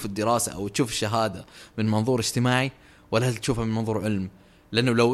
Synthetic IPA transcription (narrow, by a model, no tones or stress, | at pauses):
fɪd̪ːɪɾɑːsa̰ʔa̰wt̪ʃuːfɪʃːaɦaːd̪amɪnmɑnðˤuːɾɪd͡ʒt̪ɪmaːʕi | walːat̪ʃuːfamɪnmɑnðˤuːɾʕɪlm | lɪʔanːʊlaw